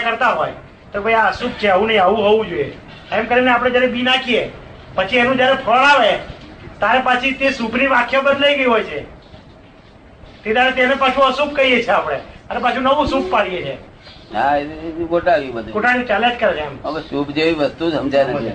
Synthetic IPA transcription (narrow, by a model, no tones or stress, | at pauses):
akəɾt̪aɦoj | t̪obʱəiaəsuk̚t͡ʃʰeaʋũnəĩaʋũɦoʋũd͡ʒojḛ | emkəɾineap̬ɽ̃ed͡ʒjaɾebinakʰie | pət͡ʃʰienũd͡ʒjaɾepʰəɭ̃aʋet̪aɾepat͡ʃʰit̪esupniʋakʰjobəd̪ləiɡəiɦojt͡ʃʰe | t̪et̪aɾet̪enepat͡ʃʰũəsup̚kəɾiet͡ʃʰeapɽ̃et̪aɾepat͡ʃʰũnəʋũsuk̚ʰpaɽiet͡ʃʰe | aeɡoʈaʋibəkoʈaɽit͡ʃɛlẽd͡ʒkəɾet͡ʃʰeɛməbəsupd͡ʒeiʋəst̪ũsəmd͡ʒajnə